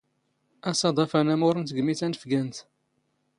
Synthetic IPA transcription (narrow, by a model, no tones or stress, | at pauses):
æsɑd̪ˤɑfænæmʊɾənt̪ɡəmiθænəfɡænt̪